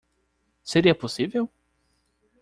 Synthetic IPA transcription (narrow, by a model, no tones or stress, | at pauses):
seɾiɐposivew